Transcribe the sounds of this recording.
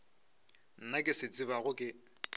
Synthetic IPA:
n̩nakʼɪsɪt͡sʼɪβaɣʊkʼɪ

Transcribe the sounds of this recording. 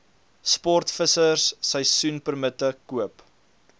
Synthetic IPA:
spɔrtfəsərsːəjsunpərmətəkuəp

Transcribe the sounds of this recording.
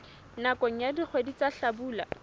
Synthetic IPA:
nakɔŋ̩jadik͡xʰwedit͡saɬabuːla̰

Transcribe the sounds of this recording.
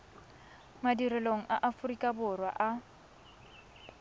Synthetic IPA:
madirɛloŋ̩ʔaʔafʊrikʼabʊrwa̰ʔa

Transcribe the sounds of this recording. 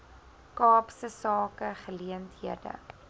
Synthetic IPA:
kɑːpsəsɑːkəχəliəntɦiədə̰

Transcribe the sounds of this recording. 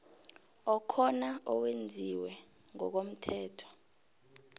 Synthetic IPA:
ɔkʰɔnaɔwend͡zʱiwɛ | ŋɔ̰k̬om̩tʰɛːtʰɔ̥

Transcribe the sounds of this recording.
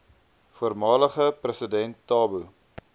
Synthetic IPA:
fuərmɑːləχəprəsədɛntːɑːbu

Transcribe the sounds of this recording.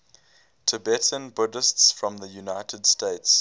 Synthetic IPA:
tʰəbɛtʰə̃nbʊdəstsfɹɔ̃mðəjunaɪtʰədsteɪts

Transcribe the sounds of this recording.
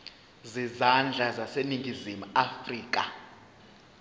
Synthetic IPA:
zizand͡ɮʱazaseniŋɡʱizimuafriːk̬ʼa

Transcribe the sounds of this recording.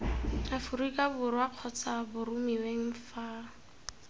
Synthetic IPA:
afuɾikʼabʊɾwaq͡χʰɔt͡sʰabʊrumiweŋ̩fa

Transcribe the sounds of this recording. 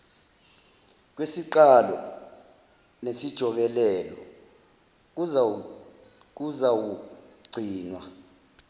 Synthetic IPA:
k̬wesiǃalɔ̰ | nesid̥ʒ̥ʱɔɓɛlɛːlɔ | k̬uzawuɡ͡ǀʱiːnwa

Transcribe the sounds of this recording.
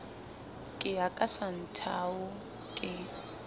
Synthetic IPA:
kʼɪakʼasan̩tʰaʊ | kʼɪ

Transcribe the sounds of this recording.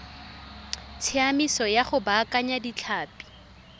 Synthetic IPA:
t͡sʰɪamisɔjaχʊbaːkaɲadit͡ɬʰaːpi̥

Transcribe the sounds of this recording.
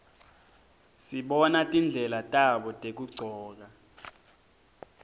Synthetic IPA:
siɓɔnatʼind͡ɮʱɛlatʼaɓɔtʼek̬uɡ͡ǀʱɔːk̬a

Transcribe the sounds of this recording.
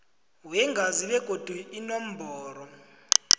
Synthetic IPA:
wɛŋɡʱaziɓɛɡ̥ʱod̥ʱuinɔm̩bʱɔːɾɔ

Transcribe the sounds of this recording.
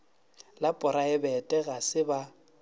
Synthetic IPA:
lapʼʊɾaɪbɛtʼɛɣasɪba

